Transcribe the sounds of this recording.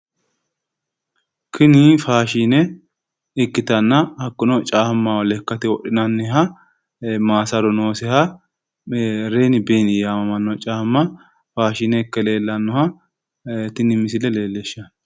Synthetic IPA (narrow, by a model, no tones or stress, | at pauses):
kʰɪnɪfaːʃiːnɛ | ɪkːɪt̪ɐnːɐhɐkːʊnɔt͡ʃʼaːhmːawɔlɛkːɐt̪ɪwɔɗɪnɐnːɛɦɐ | maːsɐɾɔno̞ːsɛhɐ | ɾeːnɪbeːnɪjaːmɐmɐnːɔt͡ʃʼaːhmːɐ | faːʃiːnɛɪkːɛle̞ːlːɐnːɔhɐ | t̪ɪnːɪmːɪs̬ɪlɛle̞ːlːeʃːɐn